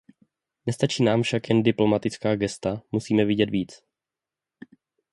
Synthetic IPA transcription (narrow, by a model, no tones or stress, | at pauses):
nɛst̪at͡ʃiːnaːmfʃakjɛndɪplo̞mat̪ɪt͡skaːɡɛst̪amusiːmɛvɪɟɛt̪viːt͡s